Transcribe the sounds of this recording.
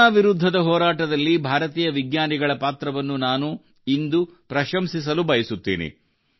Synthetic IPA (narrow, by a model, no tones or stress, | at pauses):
aːʋiɾud̪ʱːɐd̪ɐɦɔːɾaːʈɐd̪ɐlːibʱaːɾɐt̪iːjɐʋiɡɲaːniɡɐɭɐpaːt̪ɾɐʋɐnːunaːnu | ind̪upɾɐʃɐmsis̬ɐlubɐjɐsut̪ːḭːnḭ